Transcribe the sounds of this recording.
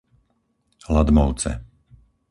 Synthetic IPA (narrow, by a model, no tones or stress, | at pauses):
lad̪mɔʊt͡sɛ̰